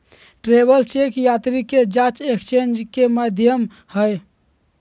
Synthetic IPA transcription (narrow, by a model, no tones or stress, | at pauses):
ʈɾebəlt͡ʃekjat̪ɾiked͡ʒat͡ʃekʰt͡ʃend͡ʒkeməd̪ʱjəm | həj